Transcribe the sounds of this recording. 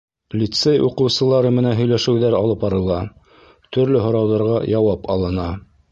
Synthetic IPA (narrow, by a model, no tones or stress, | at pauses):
lʲit̪sejʔuqɤ̆wsɤ̆lˠɑɾɤmɘ̆nænɦɵ̆jlæʃɘ̆wðæɾɑlˠɤpɑɾɤ̆lˠɑ | t̪ɵ̆ɾlɵɦŏɾɑwðɑɾʁɑjɑwɑpɑlˠɤ̆nɑ